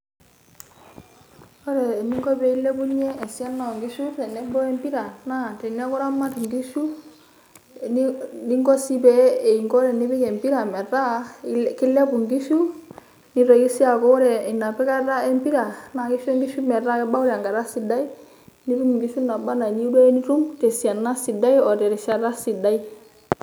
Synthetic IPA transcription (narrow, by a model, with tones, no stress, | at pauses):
ɔ˦ɾɛ˨ni˦ŋɡɔ˦bɛ˨i˦lɛ˦ku˦ɲɛ˦ɛ˨si˦a˦nːa˨ŋɡi˦ʃu˦ɾɛ˨nɛ˦bɔ˦ɛ˦mbi˦ɾa˨na˦˨tɛ˨nɛ˦kʊ˦ɾa˦ma˦tŋɡi˦ʃu˦˨ | n˦ni˦ŋɡɔ˦si˦pɛ˨˦e˨i˨ŋɡɔ˦ɾɛ˨nɪ˦bɪ˦kɛ˨mpi˦ɾa˨mɛ˨ɾa˦kɪ˦lɛ˦pu˨ŋɡi˦ʃu˦ | ni˦ɾɔ˨ki˦si˦a˨kɔ˦ɾɛ˨ɪ˨nːa˨pɛ˦ka˦ɾa˦ɛ˦mpi˦ɾa˨na˨ki˦ʃɛ˦ŋɡi˦ʃu˦mɛ˨ɾa˦kɛ˦ba˦u˦ɾɛ˨a˨ŋɡa˨ɾa˦si˨da˦i˦ | ni˦ɾu˦m˨ŋɡi˦ʃu˦na˨ba˦na˨ɲi˦dɛ˦ni˦ɾu˦mte˨si˨a˨nːa˦si˨da˦i˦ɔ˨tɛ˨ɾɪ˨ʃa˦ɾa˦si˨da˦i˦